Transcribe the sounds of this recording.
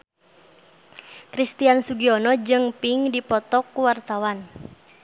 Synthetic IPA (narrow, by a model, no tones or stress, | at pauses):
kɾist̪iansuɡiɔnɔd͡ʒɨŋpiŋdipɔt̪ɔkːuwart̪awan